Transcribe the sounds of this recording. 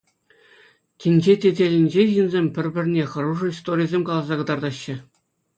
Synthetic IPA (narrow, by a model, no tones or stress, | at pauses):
kʲĭnʲd͡ʑetʲedʲelʲɘ̆nʲd͡ʑeʑɯnzʲemʲpʲɘ̆rʲbʲɘ̆rʲnʲeχɤ̆ruʐɤ̆ist̪orʲijzʲemʲkɑlˠɑzɑkɤ̆d̪ɑrd̪ɑɕːɘ̆